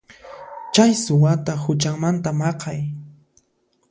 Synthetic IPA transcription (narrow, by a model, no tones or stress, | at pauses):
t͡ʃajsʊwat̪ahʊt͡ʃaŋmant̪amɑqɑj